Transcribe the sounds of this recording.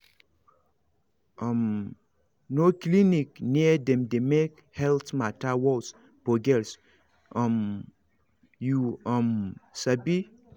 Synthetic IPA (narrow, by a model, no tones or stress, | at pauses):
ʌm | noklinikniədɛ̃mdemek | hɛltmatawɔls | poɡɛls | am | juɔmsabi